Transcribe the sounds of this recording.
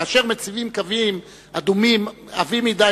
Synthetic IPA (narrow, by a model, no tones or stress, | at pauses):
aʃeʁmet͡sivimkavim | ad̪umimavimid̪a